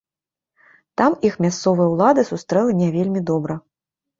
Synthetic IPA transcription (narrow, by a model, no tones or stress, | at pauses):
t̪amixmʲast̪sɔvɨjɐwlˠad̪ɨsust̪ɾɛlˠɐnʲɛvʲelʲmʲid̪ɔbɾɐ